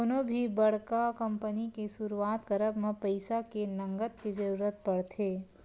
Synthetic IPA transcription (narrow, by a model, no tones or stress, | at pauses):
onõbʱibɐɽkakɐ̃mpənikesʊɾuaːt̪kəɾəbmẽpəɪsakenɐ̃ŋɡət̪kid͡ʒɐɾuːɾət̪̚pɐɽt̪ʰeː